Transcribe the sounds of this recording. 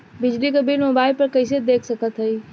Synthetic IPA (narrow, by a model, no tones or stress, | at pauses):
bid͡ʒlikebilmobaɪlpəɾkəɪsed̪ekʰsəkət̪ɦəj